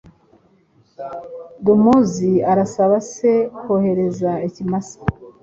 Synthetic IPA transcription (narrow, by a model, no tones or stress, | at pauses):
dumuziaɾasaβase̞kohe̞ɾe̞zaicimasḁ